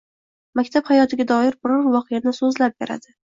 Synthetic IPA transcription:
makʲt̪ʰaphajɒt̪ʰɪɡʲad̪ɒɪɾbɪɾɒɾvɒqɨjanɪsɵzlap̚beɾa̰d̪ɪ

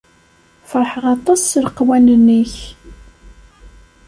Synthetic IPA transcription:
fəɾˤħəʁɑt̪ˤɑslqːwænənːiç

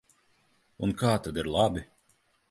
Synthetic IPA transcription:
unkaːt̪ad̪iɾlˠabʲi

